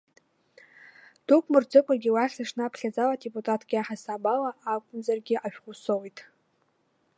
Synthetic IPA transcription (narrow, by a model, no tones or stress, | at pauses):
d̥ukʷʼmɨrd͡zɨkʷʼaɡʲiwaχʲaʂnɨapʰɬʲad͡zaladepʼutʼatʰɡ̥ʲiaħasabalaʔakʷʼʊnzarɡʲɪʔaʃᶣχʷʊsowjtʼ